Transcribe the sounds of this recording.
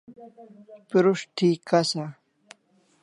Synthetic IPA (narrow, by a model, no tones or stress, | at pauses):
piɾuʂʈʰiːkasa